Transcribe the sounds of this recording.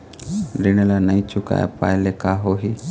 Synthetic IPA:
ɾinɛlanajt͡ʃuka̰a̰pa̰jlekaɦoɦi

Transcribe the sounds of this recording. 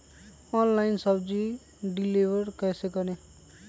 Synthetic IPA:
ʌnlajnsʌbd͡zi | ɖilibʱʌrkʌsekʌne

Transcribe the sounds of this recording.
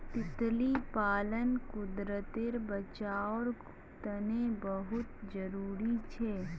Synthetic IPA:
t̪ɪt̪lipaːlənkʊd̪ɾət̪ɪɾbət͡ʃaːɔːɾɡʊ | t̪ənẽbəɦʊt̪d͡ʒəɾuːɾit͡ʃʰeː

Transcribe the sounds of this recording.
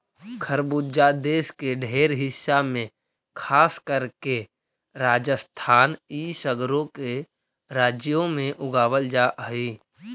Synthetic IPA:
kʰəɾbud͡ʒad̪eːskeɖʱeːɾɦɪsːamẽ | kʰaːskəɾke | ɾaːd͡ʒəst̪ʰaːniːsəɡɾõke | ɾaːd͡ʒjõmẽʔʊɡaːwəld͡ʒaʔiː

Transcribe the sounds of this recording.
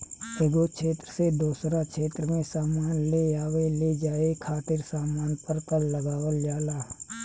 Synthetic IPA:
eːɡokʰeːt̪ɾəsed̪uːsɾakʰeːt̪ɾəmẽsaːmaːnleaːʋeleːd͡ʒaːekʰaːt̪ɪɾsaːmaːnpəɾkəlːəɡaːʋəld͡ʒaːlaː

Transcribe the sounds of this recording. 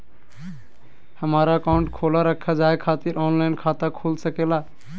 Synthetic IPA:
həmaɾaəkaʊ̃ɳʈkʰolaɾəkʰːad͡ʒaekʰːat̪iɾɔnlaɪnkʰat̪akʰulsəkela

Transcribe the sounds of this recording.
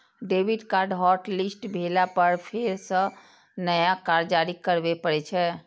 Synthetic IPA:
ɖebʱiɖkaɾɖɦɔɾʈlisʈbʱelapəɾpʰeɾsə̃ | nəjakaɾd͡ʒaɾikəɾbɛpəɾɛt͡ʃʰɛ

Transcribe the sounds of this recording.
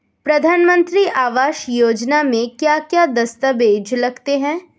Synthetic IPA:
pɾɐd̪ʱaːnmə̃nt̪ɾiʔaːʋaːʃjoːd͡ʒnamẽkjaːkjad̪ɐst̪əbeːd͡ʒlɐɡt̪eɦɛ̃ː

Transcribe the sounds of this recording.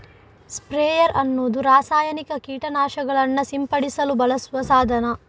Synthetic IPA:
spɾeːjɐɾʔɐnːoːd̪uɾaːsaːjɐnikɐkiːʈɐnaːʃɐɡɐɭɐnːɐsimpɐɽisɐlubɐlɐsʋɐsaːd̪ʱɐnɐ

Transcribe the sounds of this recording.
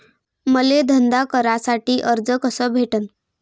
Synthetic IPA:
məled̪ʱənd̪akəɾasaʈiːʔəɾd͡zəkəsəːbʱeʈən

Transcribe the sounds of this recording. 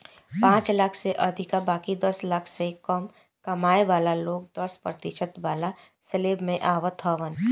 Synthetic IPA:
pãːt͡ʃlakʰseʔɐd̪ʱɪkabaːkid̪əsləkʰsekəm | kɐmaːeʋaːlaloːɡ̚d̪əspɾət̪ɪʃət̪ʋaːla | səleːbmẽʔaːʋət̪ʰəʋən

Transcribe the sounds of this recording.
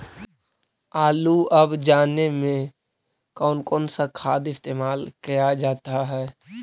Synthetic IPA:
aːluəbd͡ʒaːnemẽ | kɔːnkɔːnsakʰaːd̪ɪst̪eːmaːlkijad͡ʒaːt̪aɦɛː

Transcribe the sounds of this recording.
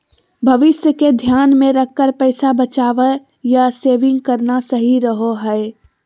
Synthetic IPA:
bʱɐʋɪsjəked̪ʱjaːnmẽɾɐkːəɾpɛɪsabət͡ʃaːʋə | jaseːʋɪ̃ŋɡkəɾnasəɦiɾəɦoɦɛe

